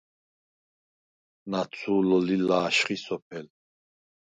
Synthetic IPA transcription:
nat̪sʰuːlɔlilaːʃχisɔp̚ʰɛl

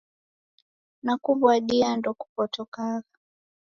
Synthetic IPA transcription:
nakuɓwaɗiandɔku̥pɔtɔkaɣa

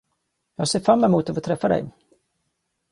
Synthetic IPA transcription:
jɑːɡseːɾfɾamːɛɾmuːt̪d̪ɛfoːt̪ʰɾɛfːad̪ɛ̰j

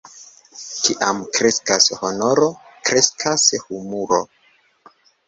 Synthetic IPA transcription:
kiʔamkɾeskasho̞no̞ɾo̞kɾe̞skʰashumuɾo̞̰

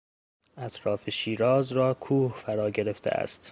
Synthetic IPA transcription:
æt̪ʰɾɒːfeʃiːɾɒːzɾɒːkʰuːhfæɾɒːɟe̞ɾe̞ft̪ʰḛʔæ̰st̪

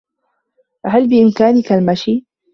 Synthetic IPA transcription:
faɦalbɪʔɪmkaːnɪkalmaʃiː

